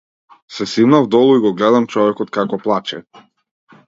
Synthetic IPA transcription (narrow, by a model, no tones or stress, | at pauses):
sɛsivnavd̪ɔlˠuiɡɔɡlɛd̪amt͡ʃɔvɛkɔt̪kakɔplˠat͡ʃɛ̰